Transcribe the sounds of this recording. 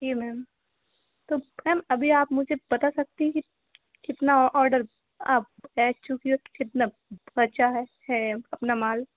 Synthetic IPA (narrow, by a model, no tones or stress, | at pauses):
d͡ʒiːmɛːm | t̪oːmɛːmɐbʱiaːpmʊd͡ʒʱepɐt̪asɐk̚t̪eɦɛ̃ki | kɪt̪naɔːɾɖəɾ | aːp̚ɛːt͡ʃʊkiokɪt̪na | bɐt͡ʃaɦɛhɛɐpnamaːl